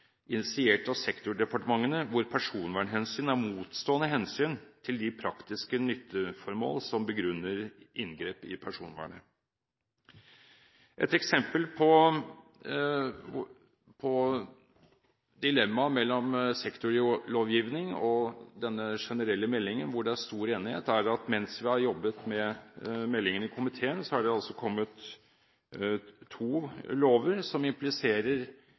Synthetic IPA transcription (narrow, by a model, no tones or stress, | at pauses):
ʔɪnɪsɪeːʈɑʋsɛkt̪ʊɖɛpɑʈəmɑŋːənəʋʊɾpʰæʂuːnʋæːɳɦɛnsyːnæɾmuːt̪st̪oːənəɦɛnsyːnt̪ʰɪld̪ɪpʰɾɑkt̪ɪskənʏt̪ʰːəfɔɾmo̰ːlsɔmbəɡɾʉnːəɾʔɪnɡɾeːpɪpʰæʂuːnʋæ̰ːɳə | ʔɛ̰t̪ɛksɛmpəlpʰɔ | pʰɔ | d̪ɪlɛmːɑmɛlːɔmsɛkt̪ʊɾloːʋjiːʋnɪŋɔd̪ɛnːəʂɛnəɾɛlːəmɛlːɪŋənʋʊɖɛæʂt̪uːɾeːnɪheːt̪æɾɑt̪mɛnsʋɪhɑɾjɔbːət̪mɛmɛlːɪŋənɪkʰʊmɪt̪ʰeːənsɔhɑɖɛɑlsɔkʰɔmːət̪ | uːloːʋəɾsɔmɪmplɪseːɾəɾ